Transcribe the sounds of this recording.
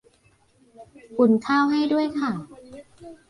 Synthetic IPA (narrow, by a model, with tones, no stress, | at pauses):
ʔu˨˩nkʰaː˥˩wɦa˥˩jdu˥˩əjkʰa˥˩